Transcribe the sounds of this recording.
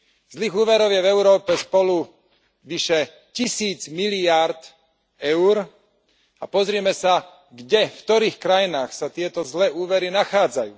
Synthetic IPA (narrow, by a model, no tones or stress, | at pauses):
zliːɣuːʋɛɾɔʊjɛvɛʊɾɔːpɛspɔlu | ʋiʃɛ | cisiːd͡zmiliaɾt̪ | ɛʊɾ | a̰pɔzɾɛmɛsa | ɡɟɛft̪ɔɾiːxkɾajinaːxsat̪ɪɛt̪ɔzlɛːʔuːʋɛɾinaxaːd͡zajuː